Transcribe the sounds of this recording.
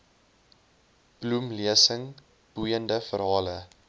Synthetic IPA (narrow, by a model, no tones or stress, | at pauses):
b̥lumliəsəŋ | b̥ujəndəfəɾɦɑːlə